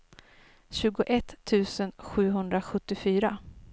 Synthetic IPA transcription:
ɕʉ̟ːɡʊʔɛt̪ʰːʉ̟ːsənɧʉ̟ːɦɵnd̪ɾaɧɵt̪ːɪfyːɾa

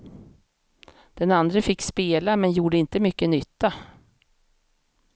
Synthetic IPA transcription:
d̪̥ɛnand̪ɾəfɪkːspeːlamɛnjuːɖəɪnt̪əmʏkːənʏt̪ːa

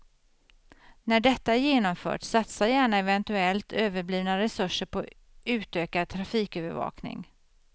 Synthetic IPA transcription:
næɖɛt̪ːaæɾjeːnɔmfœ̰ːʈsat̪sajæːɳaɛvɛnt̪ɵɛlt̪ʰøːvəɾbliːvnaɾɛsɵʂːəɾpʰɔ | ʉ̟ːt̪øːkad̪̚t̪ʰɾafiːkøːvəɾvɑ̰ːknɪ̰ŋ

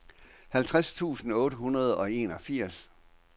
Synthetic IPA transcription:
hælt͡sʰʁast͡sʰṵːsn̩ɔ̽ːɾəhunɐð̞ˠɒ̽e̝ːnɒ̽fiɐ̰s

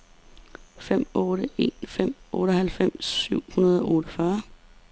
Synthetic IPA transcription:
fem̰ɔːɾəe̝̰ːnfem̰ɔ̽ːɾəhælfem̰sːyʊ̰hunɐð̞ˠɒɔːɾəfɶɐ

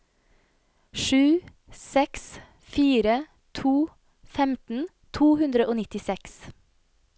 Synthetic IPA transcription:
ʃʉː | sɛks | fiːɾə | t̪ʰuː | fɛmt̪n̩ | t̪ʰuːhʉnd̪ɾəʔoːnɪt̪ɪsɛks

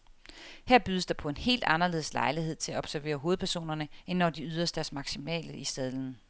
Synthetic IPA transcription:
heɐ̰b̥yːð̞ˠəsd̥ɑ̈pʰɒ̽e̝nhe̝̰ːld̥ɑ̈nɐle̝ð̞̩ˠslɑ̈ɪlihe̝ð̞̰ˠt͡sʰe̝læɒ̽b̥sæɐʋe̝̰ːɐɦo̝ːð̩ˠpʰæɐso̝̰ːnɐnəenːɒd̥iyð̞ˠɐsd̥æɐsmɑ̈ɡ̥simɛ̰ːləisɛð̞ˠln̩

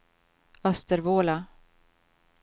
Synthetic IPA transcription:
œst̪əɾvoːla

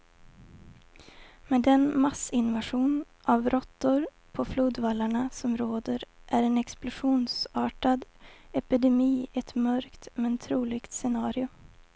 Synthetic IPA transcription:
meːd̪ɛnmasɪnvaʂuːn | ʔavɾʔɔt̪ːʊɾ | pʰɔfluːd̪valːaɳasɔmɾoːd̪əɾʔæɾɛnɛksplʊʂuːnsɑːʈad̪ɛpɪd̪ɛmiːɛt̪mœɾkt̪mɛnt̪ʰɾuːlɪɡt̪sɛnɑːɾɪʊ

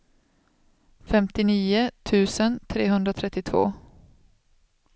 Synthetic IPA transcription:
fɛmt̪ɪniːʊt̪ʰʉ̟ːsənt̪ʰɾeːɦɵnd̪ɾat̪ʰɾɛt̪ːɪt̪ʰvo̰ː

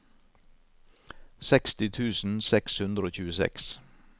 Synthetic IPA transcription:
sɛkst̪ɪt̪ʰʉːsn̩sɛkshʉnd̪ɾəoːçʉːəsɛ̰ks

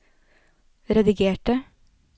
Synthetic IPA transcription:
ɾɛd̪ɪɡeːʈə

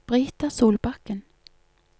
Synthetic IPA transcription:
b̥ʁyːt̪əsuːlbɑkən

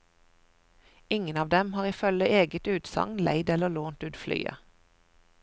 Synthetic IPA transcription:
ɪŋənɑːʋd̪ɛmhɑːʁiːfœləʔeːɡət̪ʉːt̪sɑ̰ŋlæ̰ɪd̪ɛləloːnt̪ʉːt̪fly̰ːə̰

